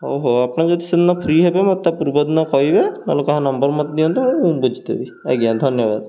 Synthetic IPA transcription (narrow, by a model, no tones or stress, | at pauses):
oɦoapnazɔd̪isid̪nɔpʰɾiɦebemɔt̪ːapuɾbɔd̪nɔkɔɦibena̰lokaɦãnɔmbɔɾmɔt̪d̪iɔnt̪uũbud͡ʒit̪ḛbi | aɡijad̪ʱɔnjɔba̰d̪̚